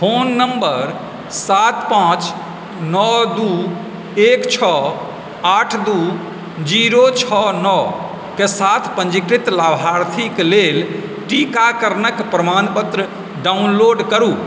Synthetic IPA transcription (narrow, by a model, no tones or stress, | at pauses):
pʰonːəmbəɾ | sat̪pãt͡ʃ | nɔd̪u | ekt͡ʃʰɔ | aʈʰd̪u | d͡ʒiɾot͡ʃʰɔnɔ | kesat̪ʰpə̃ɲd͡ʒikɾit̪labʱaɾt̪ʰiklelʈikakəɾnəkpɾəmanpət̪ɾə | ɖaunloːɖkəɾuː